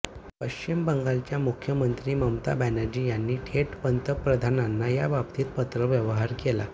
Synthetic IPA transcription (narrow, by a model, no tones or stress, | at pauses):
pəɕt͡ɕimbəŋɡalt͡ɕjamukʰjəmənt̪ɾiːməmt̪a̰bænad͡ʑiːjanːiːʈʰeʈpənt̪əpɾəd̪ʱananːajabab̚t̪iːt̪̚pət̪ɾəʋjəʋəɦaɾkela̰